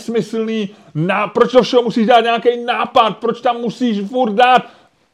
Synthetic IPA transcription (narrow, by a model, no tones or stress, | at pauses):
smɪsl̩niː | naːpɾot͡ʃdofʃɛɦomusiːʒdaːt̪ɲɛakɛjnaːpat̪̚pɾot͡ʃt̪amːusiːʃfurd̪̚daːt̪